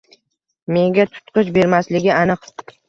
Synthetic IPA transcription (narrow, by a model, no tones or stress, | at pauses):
me̞ŋɡʲat̪ʰʊ̥t̪qʰɨʃbe̞ɾmaslɪɡʲɪanɨq